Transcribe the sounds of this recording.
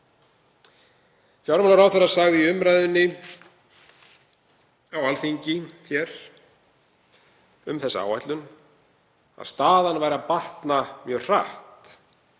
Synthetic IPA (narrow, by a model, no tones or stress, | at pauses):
çɔwɾmanaɾawθaɾːasaɣðɪiʏmɾajðʏnːɪ | awalθiɲcɪçɛɾ̥ | ʏmθɛsːaa̰ːwajt̪lʏn | a̰ðst̪aːðanvaːjɾapaht̪namjœːɣr̥a̰ht̪